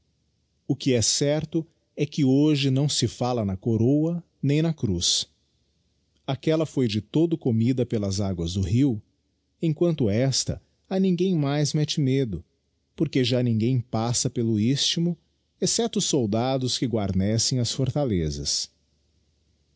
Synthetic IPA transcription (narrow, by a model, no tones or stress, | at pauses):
ʊkɪɛsɛɾt̪ʊ | ɛkɪoʒɪnɐ̃w̃sɪfalɐnɐkoɾowɐ | nẽj̃nɐkɾus | akɛlɐfojd͡ʒɪt̪od̪ʊkomid̪ɐpelɐzaɡwɐzd̪ʊɦiw | ẽkwɐ̃nt̪ʊɛst̪ɐ̰ | ɐnĩŋɡẽj̃majzmɛt͡ʃɪmed̪ʊ | poɾkeʒanĩŋɡẽj̃pasɐpelʊist͡ʃimʊ | esɛt̪ʊʊsowd̪ad̪ʊskɪɡwaɾnɛsẽj̃ɐsfoɾt̪alezɐ̰s